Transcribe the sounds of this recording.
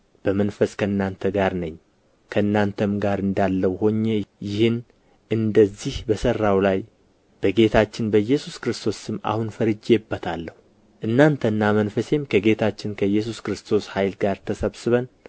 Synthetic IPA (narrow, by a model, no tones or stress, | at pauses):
b̥əmənfəskʰəɨnːant̪ʰəɡaɾnəɲː | kʰəɨnːant̪ʰəmɡaɾɨnd̪alːəwho̞ɲːejɪhɨn | ʔɨnd̪əzːihbəsərːawlaj | b̥əɡe̞t̪ʰat͡ʃːɪnbəjɛsuskɨɾɨst̪ʰo̞sɨmːa̰hunfəɾɨd͡ʒebːət̪ʰalːəhu | ʔɨnːant̪ʰənːamənfəse̞mkʰəɡe̞t̪ʰat͡ʃːɪnkʰəjːɛs̬uskɨɾɨst̪ʰo̞shajlɡaɾt̪ʰəsəβsɨβən